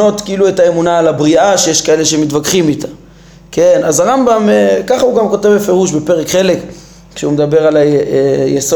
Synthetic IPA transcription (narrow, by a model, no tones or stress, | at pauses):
o̞tkiiluetae̞munaːlabʁiaʃejeʃkae̞le̞ʃ̬emitvakχimitḁ | ke̞nazaʁambamkaχauɡamko̞te̞vbefe̞ʁuʃbe̞pe̞ʁekχele̞k | kʃeumedabe̞ʁalaejeso